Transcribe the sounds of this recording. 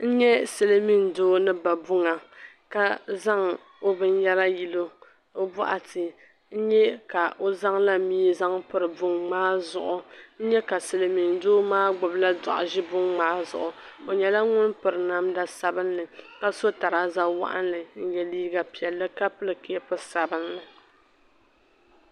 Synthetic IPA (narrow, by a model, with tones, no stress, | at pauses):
n̩˦ɲɛ˦sɨ˨le˦mi˦ndoː˦nɨ˦ba˨bʊ˦ŋa˨ | ka˦za˦ŋ | o˦bɨ˦n˦jɛ˦la˦ji˦lo˦ | o˦bɔ̰˦ʔa˨tʰɨ˨ | n̩˦ɲɛ˦ka˨ʔo˦za˦ŋla˦miː˦za˦ŋpɨ˦ɾɨ˨bʊ˦ŋŋ͡maː˦zʊ˨ʔʊ˨n̩˦ɲɛ˦ka˨sɨ˨lɨ˨mi˨ndoː˦maː˦ɡ͡bʊ˨bla˦dɔ˨ʔʊ˨ʒɪ˦bʊ˦ŋŋ͡maː˦zʊ˨ʔʊ˨ | o˨ɲɛ˨la˦ŋʊ˦npɨ˨ɾɨ˨na˦mda˦sa˨bɨ˦nːɨ˨ka˦so˦ta˨ɾa˦za˦wa̰˦˨ʔa̰˦nlɨ˨n̩˦jɛ˨liː˦ɡa˨pi˨ɛ˨lːɨ˦ka˦pɨ˦lɨ˨ke˨˦ɛ˦pʊ˦sa˨bɨ˦nːɨ˨